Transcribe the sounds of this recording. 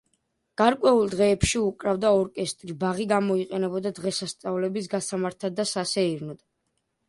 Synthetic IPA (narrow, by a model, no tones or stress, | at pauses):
ɡ̥aɾkʼwɛulˠd̪ʁɛːpʃiukʼɾavd̪aɔɾkʼɛst̪ʼɾibaʁiɡamɔiqʼɛnɛbɔd̪ad̪ʁɛsast̪sʼavlɛbisɡasamaɾt̪ʰad̪asasɛiɾnɔd̪̥